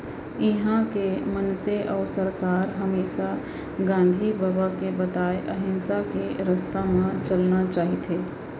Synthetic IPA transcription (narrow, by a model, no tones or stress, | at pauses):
ɪɦãkemənseʔɔːɾsəɾkaːɾɦəmeːʃa | ɡãːnd̪ʱibəbakebət̪aːeʔəɦɪ̃nsakeɾəst̪amãt͡ʃəlnat͡ʃaːɦit̪ɦeː